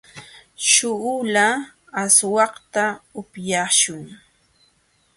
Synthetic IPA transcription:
ʃʊʊla | aswɑqt̪aʊpjaʃʊŋ

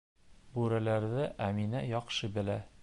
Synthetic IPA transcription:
bʉɾælæɾðɘʔæminæjɒqʃɤbɘ̆læ

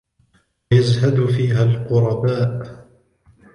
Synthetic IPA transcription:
jazhad̪fiːɦalqʊɾˤɑbaːʔ

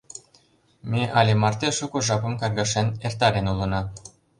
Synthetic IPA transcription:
meʔɑlʲemɑrt̪eʃukŏʒɑpə̆mkɑrɣɑʃenert̪ɑɾenulə̆nɑ

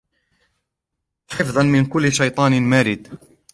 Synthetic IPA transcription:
ħɪfðˤɑnmɪnkʊlːʃɑjt̪ˤɑːnmaːɾɪd̪

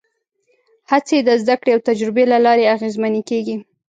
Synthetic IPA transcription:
hat͡sed̪əzd̪akɽeawt̪ad͡ʒɾɪbelalɑɾeaɣezmanekeɡi

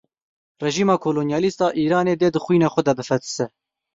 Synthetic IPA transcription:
rɛʒiːmɑːkʰoːloːnjɑːlist̪ɑːʔiːɾɑːneːd̪eːd̪ɨxwiːnɑːxʷɛd̪ɛbɨfɛt̪ɨ̥sɛ

